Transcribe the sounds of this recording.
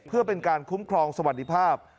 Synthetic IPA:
pʰɯ˥˩ɐpe˧nkaː˧nkʰu˦˥mkʰɾɔː˧ŋsa˧wa˨˩t̪̚di˦˥˩pʰaː˥˩p̚

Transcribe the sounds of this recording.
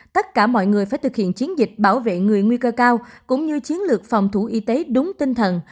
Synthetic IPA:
t̪ə˦˥t̚kaː˧˩mɔ̰˧˨jŋɨ˨˩əjfaː˧˩jt̪ɨ˨˩k̚hḭ˧˨ənt͡ɕi˨˦ənzï˨˩k̟̚ɓaː˧˩wvḛ˧˨ŋɨ˨˩əjŋwi˧kəː˧kaː˧wkʊ̰˧˥ŋ͡mɲɨ˧t͡ɕi˨˦ənlɨ˨˩ək̚fa˨˩wŋ͡mt̪ʰu˧˩ʔi˧˦t̪e˨˦ɗʊ˨˦ŋ͡mt̪i˧ŋt̪ʰə˨˩n

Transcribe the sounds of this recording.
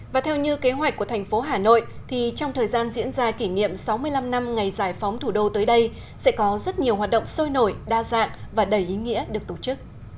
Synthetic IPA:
vaː˨˩t̪ʰɛ˧wɲɨ˧ke˨˦ɦwa˨˩k̟kːu˧˩ət̪ʰɛ˨˩ŋ̟fo˨˦ɦaː˨˩no̰˧˨jt̪ʰi˨˩t͡ɕɔ˧wŋ͡mt̪ʰəː˨˩jzaː˧nzḭ˧˥ənzaː˧ki˧˩ŋḭ˧˨əmsa˨˦wmɨ˧əjla˧mna˧mŋa˨˩jzaː˧˩jfa˨˦wŋ͡mt̪ʰu˧˩ɗo˧t̪əː˨˦jɗə˧j | sɛ̰˧˥kɔ˨˦zə˦˥t̚ɲi˨˩əwhwaː˨˩t̚ɗə̰˧˨ŋ͡mso˧jno˧˩jɗaː˧za̰ː˧˨ŋvaː˨˩ɗə˧˩jʔi˨˦ŋḭ˧˥əɗɨ˨˩ək̚t̪o˧˩t͡ɕɨ˦˥k̚

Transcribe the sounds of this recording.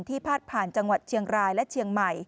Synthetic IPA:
nt̪ʰiː˥˩pʰaː˥˩t̪̚pʰaː˨˩nt͡ɕa˧ŋwa˨˩t̪̚t͡ɕʰi˧əŋɾaː˧jlɛ˦˥t͡ɕʰi˧əŋma˨˩j

